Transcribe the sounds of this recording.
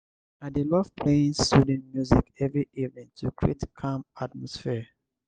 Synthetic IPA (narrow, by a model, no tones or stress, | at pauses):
adelɔvpʰlẽnsudɛ̃nmjuzikɛvɹiivnĩŋtʰukɹetkʰãmat̚mɔsfiə